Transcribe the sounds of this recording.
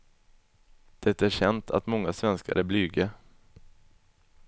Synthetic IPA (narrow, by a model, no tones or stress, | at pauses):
d̪̥ɛt̪ːaæɾʂɛnt̪ʰa̰t̪mɔŋːasvɛnska̰ɾəblyːɡə